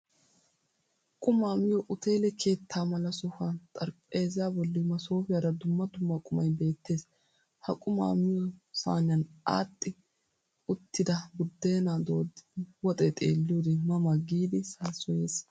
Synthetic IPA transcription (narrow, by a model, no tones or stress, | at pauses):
h | kʼʊmaːmɪjɔʔʊt̪e̞ːlɛkʰe̞ːt̪ʰːaːmɐlɐsɔfant̪ʼɐɾpʼːeːzɪjabɔlːɪmɐso̞ːfɪjɐd̪ɐd̪ʊmːɐd̪ʊmːɐkʼʊmɐjbe̞ːt̪ːe̞ːs | hɐkʼʊma̰ːmɪjɔsa̰ːnɐna̰ːt̪ʼːɪ | ʊt̪ːɪd̪ɐbʊd̪ːe̞ːnaːd̪oːd̪wɔt̪ʼɛt̪ʼeːlːɪjod̪ɛmɐmɐɡiːd̪ɪsaːsɔje̞ːs